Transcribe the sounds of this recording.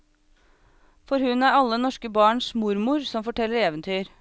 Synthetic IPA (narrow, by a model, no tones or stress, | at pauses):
fɔɾhʉnæɾɑlːənɔʂkəbɑːɳʂmʊɾmʊɾsɔmfɔʈʰɛlːəɾeːʋənt̪ʰyːɾ